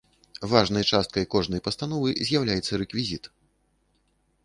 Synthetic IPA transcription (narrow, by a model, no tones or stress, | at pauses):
vaʐn̪ɐjt͡ʂast̪̚kɐjkɔʐnɐjpɐst̪anɔvɨzʲjawlʲajɛt̪sːɐɾɛkvʲizʲit̪